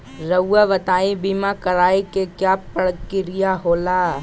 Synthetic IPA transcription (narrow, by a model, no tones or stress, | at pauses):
ɾɐwːaʋɐt̪aːibiːmakɐɾaːikekjaːpəɽkɪɾɪjaɦoːlaː